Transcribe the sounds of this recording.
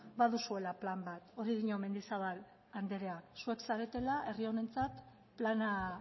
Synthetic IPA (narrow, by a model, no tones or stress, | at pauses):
baðusue̞laplambat̪o̞ɾiðiɲo̞me̞nd̪isaβal | and̪eɾeasue̞ksaɾe̞t̪e̞laʔe̞rio̞ne̞nt͡sat̪ | plana